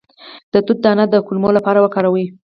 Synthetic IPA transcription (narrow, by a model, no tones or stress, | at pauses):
d̪̥ət̪ud̪̚d̪əanad̪əkulmolapɑɾawəkɑɾawi